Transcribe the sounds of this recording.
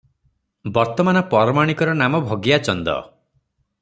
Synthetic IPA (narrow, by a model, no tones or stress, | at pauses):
bɔɾt̪ɔmanɔpɔɾɔmaɽ̃ikɔɾɔnamɔbʱɔɡjat͡ʃɔnd̪ɔ̰